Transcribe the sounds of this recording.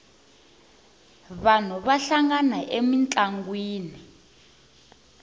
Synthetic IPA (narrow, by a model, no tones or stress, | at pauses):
βan̤uβaɬaŋɡanaʔemint͡ɬʼaŋɡwiːni